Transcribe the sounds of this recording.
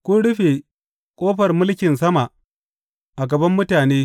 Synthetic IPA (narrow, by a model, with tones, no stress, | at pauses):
kʷʊ˦ɽʊ˦ɸe˨ | kʷʼoː˦ɸɐ˨rmʊ˦lkʲɪ˨nsɐ˦ma˨ | ʔa˨ɡɐ˨bɐ˦mːʊ˦taː˨neː˦